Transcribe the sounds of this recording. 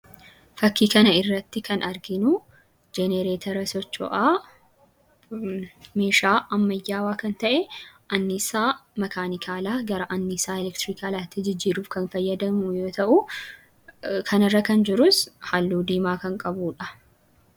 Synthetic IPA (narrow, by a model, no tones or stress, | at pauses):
fɐkːiːkɐnɐɪrːɐt̪ːɪkʰɐnɐɾɡɪnʊ | d͡ʒɛneɾeːt̪ʰɐɾɐsɔt͡ʃːɔ̰ʔaː | me̞ːʃaːʔɐmːɐjːaːwaːkɐnt̪ɐʔɛʔɐnːɪsaːmɐkaːnɪkʰaːlaːɡɐɾɐʔɐnːɪsaːɛlɛkt̪ɾikaːlaːt̪ːɪd͡ʒɪd͡ʒːiːɾuːfkɐnfɐjːɐd̪ɐmʊjoːt̪ɐʔʊ | kʰɐnɐrːɐkɐnd͡ʒɪɾʊshalːuːd̪iːmaːkɐŋkʼɐbuːᶑɐ